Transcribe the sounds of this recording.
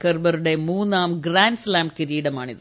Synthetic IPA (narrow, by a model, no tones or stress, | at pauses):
kɐrbɐɾuɽemuːnːaːmɡɾaːnɖslaːmkiɾiːɽɐmaːɳiðɨ